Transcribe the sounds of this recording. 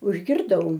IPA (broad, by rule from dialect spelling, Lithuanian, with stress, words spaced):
ʊʒʲɡʲɪrˈdɐʊ